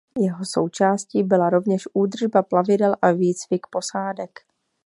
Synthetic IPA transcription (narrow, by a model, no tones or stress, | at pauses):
jɛɦo̞so̞̰wt͡ʃaːsciːbɪlaɾo̞vɲɛʃʔuːd̪r̩ʒbaplavɪdɛlʔaviːt͡svɪkpo̞saːdɛk